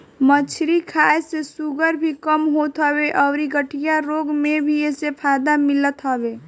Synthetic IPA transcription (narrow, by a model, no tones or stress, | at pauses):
mət͡ʃʰɾikʰaːesesuɡəɾbʱikəmɦoːt̪ɦɔːweʔɔːɾiɡəʈʰijaɾoːɡmẽbʱieːsepʰaːd̪amɪlət̪ɦɔbeː